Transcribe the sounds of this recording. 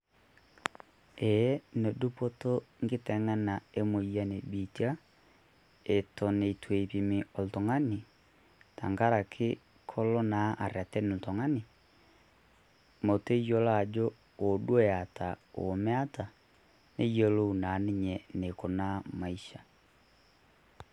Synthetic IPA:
ɛ˨jɛ˦ne˨du˦po˦to˦ŋɡe˦tɛ˨˦ŋa˦na˨e˦mo˨ja˦ne˨bi˨ti˦a˦ | e˨tɔ˨ne˨tʰwe˨pi˨mi˨ɔ˨ltɔ˨ŋa˦ni˨ | ta˨ŋɡa˦ɾa˨kʰe˦ | kʰɔ˦lɔ˦na˨˦ʔa˨ɾea˨tɛ˦nu˨tɔ˨ŋa˦ni˨ | mo˨te˦jo˦la˦˨d͡ʒo˦ | o˨dwɛ˦˨a˨ta˨o̰˨mɛ˦a˦ta˨ | nḛ˦jɔ˦lo˦u˨na˨˦ne˦ɲɛ˨ne˨ko˨na˦ma˨iʃa˨

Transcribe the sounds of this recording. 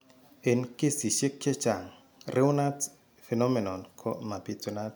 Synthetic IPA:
e˨nke˦si˨ʃe˦kːɛ˦t͡ʃa˨ŋ | rɪ˦ʊ˦na˦t | fɛ˨nɔ˦me˨nɔ˨nkʰɔ̰˦ma˨pi˨tu˨na˦t

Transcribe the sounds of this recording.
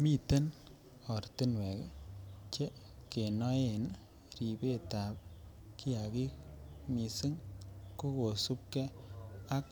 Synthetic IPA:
mi˦te˦n | ɔ˨ɾtɪ˦nwe˨kt͡ʃe˦ | ke˨nɔ˦e˨n | ri˨be˦ta˨p̚ | ki˦a˨ki˦k̚mi˨sɪ˦ŋko˦ko˨su˦p̚ke˦a˦k̚

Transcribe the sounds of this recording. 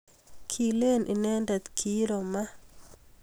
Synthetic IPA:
kʰi˨le˦nʔi˨nɛ˦ndɛ˨t̪kʰi˦ɾo˨ma˦

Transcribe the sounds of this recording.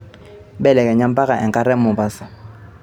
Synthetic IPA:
bɛ˦˨lɛ˨kʼɛ˨ɲa˦m̩˦pʼa˦ka˨ʔɛ˨kʼa˦ɾɛ˦m̩˦mʊ˨ba˦sa˨

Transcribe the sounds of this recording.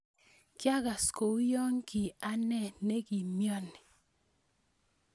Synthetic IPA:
kja˦ɡa˨sko˨˦jɔ˦ŋki˨a˦nɛ˦˨ne˦ki˨mjɔ˦nɪ˨

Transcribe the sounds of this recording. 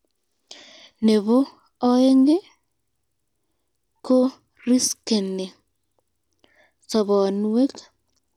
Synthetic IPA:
ne˨βo˦ | ɔ˦e˦ŋɡe˦ | ko˦ | ɾi˦ske˨ne˨ | sɔ˨βɔ˨nuwe˦k

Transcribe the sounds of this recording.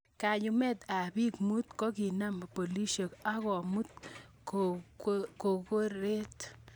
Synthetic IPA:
ka˨ju˦mɛ˦t̪a˨bi˦kmu˦t̪kɔ˦ki˨na˦mpo˨li˦ʃo˨ka˦ɣɔ˨mu˦t̪̚ | ko | ko˨ko˦ɾe˦t̪

